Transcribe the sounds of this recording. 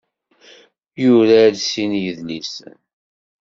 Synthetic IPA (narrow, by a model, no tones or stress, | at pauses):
juɾaɾsinjəðlis